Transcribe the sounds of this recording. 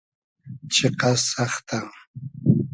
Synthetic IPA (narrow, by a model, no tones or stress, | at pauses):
t͡ʃʰeqɑsɑχt̪a